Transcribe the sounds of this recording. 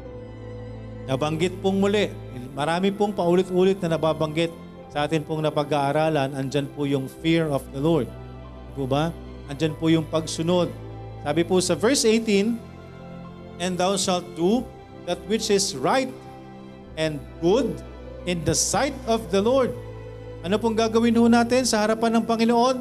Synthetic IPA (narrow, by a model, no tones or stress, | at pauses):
nɐbɐŋɡɪt̪̚poŋmʊlɛʔ | mɐɾaːmɪpoŋpɐʔuːlɪt̪ʔuːlɪt̪̚nɐnɐbaːbɐŋɡɪt̪̚ | sɐʔaːt̪ɪnpoŋnɐpɐɡaʔɐɾaːlɐnɐnd͡ʒanpʊjʊŋfiɹɔfd̪ɐloɹd̪̚ | pʊba | ʔɐnd͡ʒanpʊjʊŋpɐɡsʊno̞d̪̚ | saːbɪpʊsɐvɛɹsʔejt̪in | ɛ̃nd̪awʃalt̪̚d̪u | ðɐt̪̚wɪt͡ʃɪsɹajt̪̚ | ʔɛ̃nd̪̚ɡʊd̪̚ | ʔɪ̃nd̪ɐsajt̪ɔfd̪ɐloɹd̪̚ | ʔɐnopoŋɡaːɡɐwɪnhʊnaːt̪ɪnsɐhɐɾɐpanːɐŋpɐŋɪnoʔo̞n